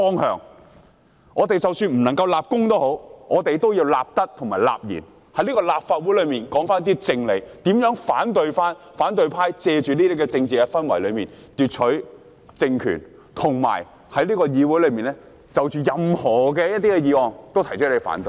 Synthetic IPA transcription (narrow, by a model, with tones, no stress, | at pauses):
fɔː˥ŋhœ̰ː˨ŋ | ʔɔː˨˧t̪e˨jt͡sɐ˨wsyː˧nm̩˨˩nɐ˨˩ŋkɐ˧wlaː˨p̚kʊ˥ŋt̪o˥who˨˥wʔɔː˨˧t̪e˨jt̪o˥wjiː˧wlaː˨p̚t̪ɐ˥k̚t̪ʰʊ˨˩ŋmaː˨˩la̰ː˨p̚jḭ˨˩n | hɐ˨˥jliː˥kɔː˧laː˨p̚faː˧t̚wu˨˥lɵ˨˧ɥmiː˨˩nkɔː˨˥ŋfaː˥n˥t̪i˥t͡sɪ˧ŋle˨˥t̪iː˨˥mjœː˨˥ŋfaː˨˥nt̪ɵ˧ɥfaː˥n | faː˨˥nt̪ɵ˧ɥpʰaː˥jt͡sɛː˧t͡ʃyː˨niː˥t̪i˥kɛ˧t͡sɪ˧ŋt͡siː˨kɛ˧fɐ˥nwɐ̰˨˩jlɵ˨˧ɥmiː˨nt̪yː˨t̚t͡ʃʰɵ˨˥ | t͡sɪ˧ŋkʰy̰˨˩n | t̪ʰʊ˨˩ŋma̰ː˨˩j | hɐ˨˥jliː˥kɔː˧jiː˨˧wuː˨˥jlɵ˨˧ɥmiː˨nlɛː˥ | t͡sɐ˨wt͡ʃyː˨jɐ˨mhɔː˨˩kɛː˧jɐ˥t̪̬iː˥kɛ˧jiː˨˧wɔː˨ŋt̪o˥wt̪ʰɐ˨˩jt͡ʃɔː˨˥nle˨˧jfa̰ː˨˥nt̪ɵ˨˧